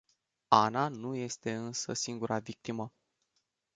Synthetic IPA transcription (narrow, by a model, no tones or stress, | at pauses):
ananuje̞st̪e̞ɨnsəsiŋɡuɾʔavik̚t̪imə